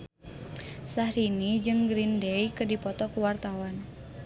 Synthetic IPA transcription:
sahɾinid͡ʒɨŋɡɾindɛikɨdipɔt̪ɔkuwart̪awan

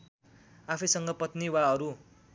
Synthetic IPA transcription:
apʰisʌŋɡʌpʌt̪niwaʌɾu

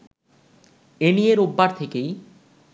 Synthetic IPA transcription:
enijeɾobːaɾt̪ʰekej

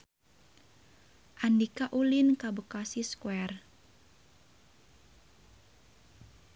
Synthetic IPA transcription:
ʔandikaʔulinkabukasiskwɛr

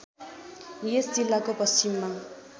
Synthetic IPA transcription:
jesd͡zilːakopʌst͡ʃimːa

